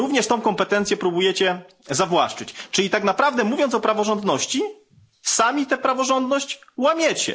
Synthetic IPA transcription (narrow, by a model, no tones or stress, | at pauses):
uvɲɛʂt̪ɔ̃w̃kɔmpɛt̪ɛnt̪sjɛpɾubujɛt͡ɕɛ | zavwaʂt͡ʂɘt͡ɕt͡ʂɘlʲit̪aknapɾavd̪ɛmuvʲjɔnt̪ɔpɾavɔʐɔnd̪nɔɕt͡ɕi | samʲit̪ɛpɾavɔʐɔnd̪nɔɕt͡ɕwamʲjɛt͡ɕɛ̰